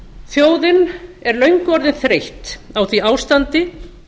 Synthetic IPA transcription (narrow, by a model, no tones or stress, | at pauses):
θjoːwðɪnɛɾlœɥŋkɔɾðɪnθɾejht̪awθviaːwst̪ant̪ɪ